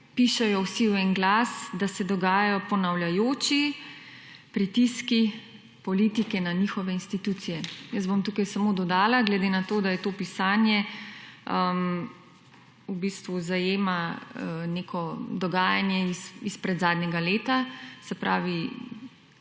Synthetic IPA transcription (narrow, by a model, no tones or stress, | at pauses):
piʃɛjɔwsiwɛnɡlaːsd̪asɛd̪ɔɡaːjajɔpɔnawlʲjajoːt͡ʃi | pɾit̪iski | pɔliːt̪ikɛnanixɔʋɛinst̪it̪uːt̪sijɛjəs̬bomt̪uːkajsamod̪ɔd̪aːlaɡlɛd̪enat̪oːd̪ajɛt̪oːpisaːnjɛ | əm | ubiːst̪ʋuzajeːma | nekʰɔd̪ɔɡaːjanjɛisispɾɛd̪zaːd̪nɛɡaleːt̪asɛpɾʔa̰ːʋi